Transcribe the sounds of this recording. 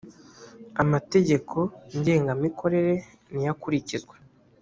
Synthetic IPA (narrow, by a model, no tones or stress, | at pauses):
amate̞ɟe̞kʰo̞ɲɟe̞ːŋɡamikʰo̞ɾe̞ɾe̞ | nijakuɾicizɡwe